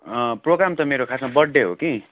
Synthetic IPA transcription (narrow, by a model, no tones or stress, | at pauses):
proɡɾamt̪ʌmeɾokʰasmabʌɖːeɦo̰ki